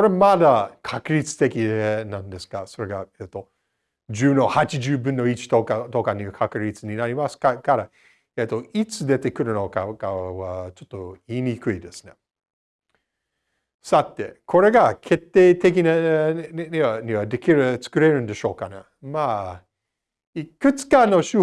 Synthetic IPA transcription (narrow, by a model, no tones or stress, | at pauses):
ko̞ɾemad̪akʰakɯ̟ɾʲit͡sɨ̥t̪e̞kʲienãnd̪e̞sɨ̥kaso̞ɾe̞ɡaet̪ːo̞ | d͡ʒɨːno̞hat͡ʃid͡ʒɨːbɯ̃nːo̞it͡ʃi̥t̪okat̪o̞kaɲiakʰakɯ̟ɾʲit͡sɨɲinaɾʲimasɨ̥kakaɾa | et̪ːo̞it͡sɨd̪e̞t̪e̞kɯ̟ɾɯno̞kakaβat͡ʃot̪ːo̞iːnʲikɯ̟id̪esɨne̞ | sat̪ːe̞̰kʰo̞ɾe̞ɡakʰe̞t̪ːe̞ːt̪e̞k̬ʲina | iaɲiβad̪ekʲiɾt͡sɨ̥kɯ̟ɾe̞ɾɯ̟̃nd̪e̞ɕo̞ːkana | ma | ikɯ̟t͡sɨ̥kano̞ɕɨ